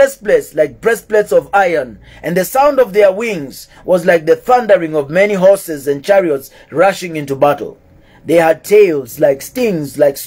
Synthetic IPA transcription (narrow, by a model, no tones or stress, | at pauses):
ɛsplɛtslaɪk̚b̥ɹɛsplɛtsʌvaɪə˞n | ʔɨ̃nðɨsãʊ̃ndʌvðə˞wɪ̃ŋz̥ | wʔʌzlaɪk̚ðɨθʌ̃ndə˞ɪ̃ŋʌvmɛniɦɔɹsɨzɨ̃n̚t͡ʃʰɛɹiəts | ɹʌʃɪ̃ŋɪ̃ntubaɾl̩ˠ | ðeɪəd̚tʰeɪlˠzlaɪkstɪ̃ŋzlaɪks